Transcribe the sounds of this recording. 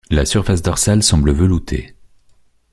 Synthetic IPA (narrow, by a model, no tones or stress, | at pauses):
lasyʁfas̬d̪ɔʁsalsɑ̃bləvəlut̪ʰḛ